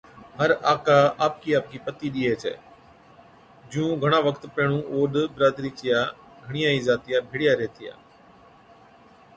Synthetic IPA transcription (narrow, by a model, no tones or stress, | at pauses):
ɦəɾaːkaːaːp̚kiːaːp̚kiːpət̪iːɗiːeːt͡ʃʰḛː | d͡ʒũːɡʱəɽ̃aːʋəkʰt̪pɛːɽ̃ũːʔoːɗbɪɾaːd̪ɾiːt͡ʃɪjaː | ɡʱəɽ̃ɪjãːiːzaːt̪ɪjaːbʱɪːɽɪjaːɾɛːt̪ʰɪja̰ː